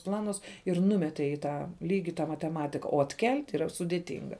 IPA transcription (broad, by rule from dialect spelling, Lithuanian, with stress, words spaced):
ˈplˠɑːnʊs ɪr ˈnʊmʲɛtʲeː iː ˈtɑː ˈlʲiːɡʲɪ tɑː mɐtʲɛˈmɑːtʲɪkɐ oː ɐtʲˈkʲɛlʲtʲ iːˈrɐ sʊdʲeːˈtʲɪŋɡɐ